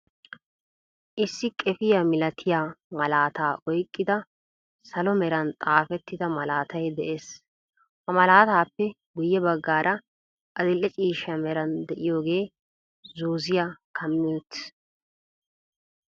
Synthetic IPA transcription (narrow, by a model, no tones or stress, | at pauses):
ʔɪsːɪkʼɛfɪjamɪlɐt̪ʰɪjaːmɐlaːt̪aːʔɔjkʼːɪd̪ɐ | sɐlɔmɛɾɐnt̪ʼaːfɛt̪ːɪd̪ɐmɐlaːt̪ɐjd̪ɛʔeːs | hɐmɐlaːt̪aːpːɛ | ɡʊjːɛbɐɡːaːɾʔɐ | ʔɐd̪ɪlːɛt͡ʃʼiːʃɐmɛɾɐnd̪ɛʔɪjoːɡe̞ː | zoːzɪjakʰɐmːɪt̪